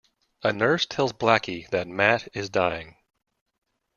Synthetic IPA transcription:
ɨnɜ˞stʰɛlˠzblækʰiðɨt̚mæɾɪzdaɪɪ̃ŋ

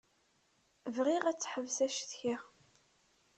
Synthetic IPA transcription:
vʁiʁæt͡sːħəvsæʃθça

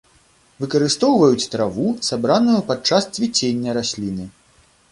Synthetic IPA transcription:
vɨkɐɾɨst̪ɔwvɐjut͡sʲt̪ɾavusabɾanujupat͡ʂast̪t͡sʲvʲit͡sʲenʲːɐɾasʲlʲinɨ

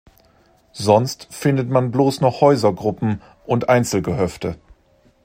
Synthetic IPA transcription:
zɔnstfɪndətmanbloːsnɔχhɔʏzɐɡʁʊpm̩ | ʔʊntʔaɪnt͡sl̩ɡəɦœftə

